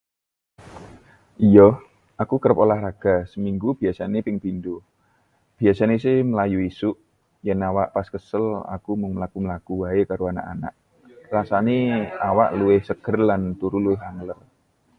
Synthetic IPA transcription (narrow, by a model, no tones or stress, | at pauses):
ʔijɔh | ʔakukəɾəpolahraɡ̥a̤səmiŋɡub̥iasanepɪŋb̥ind̪o | b̥iasanesɪhməlajuisʊʔ | jɛnawaʔpaskəsəla̰kumʊŋməlakuməlakuwaekaɾoana̰ʔana̰ʔ | rasaneawa̰ʔluwɪhsəɡ̥ərlant̪uɾuluɪɦaŋlər